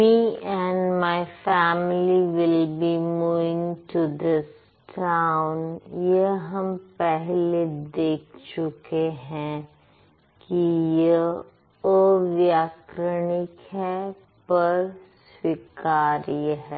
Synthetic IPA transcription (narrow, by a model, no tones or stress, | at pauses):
miːɛ̃nɖmaɪfæːmliʋɪlbimuːʋɪ̃ŋʈud̪ɪs | ʈʰãʊnjəɦɐmpɛɦled̪eːk̚ʰt͡ʃʊkeɦɛ̃ | kijə | oʋjaːkɾənɪkɦɛ | pɐɾs | wikaːɾjɦɛː